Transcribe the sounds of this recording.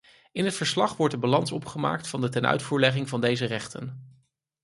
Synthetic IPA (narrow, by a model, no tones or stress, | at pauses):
ɪnɦətfəɹslɑχʋɔɹtdəbalɑnsɔpχəma̰ːk̚tfɑndətɛnœ̰ɥtfuːɹlɛχɪŋvɑndejzərɛχtə̰n